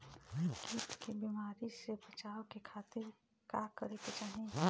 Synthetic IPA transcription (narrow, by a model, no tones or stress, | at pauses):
kiːt̪kebiːmaːɾisebət͡ʃaːokekʰaːt̪ɪɾ | kakəɾeket͡ʃaːɦẽ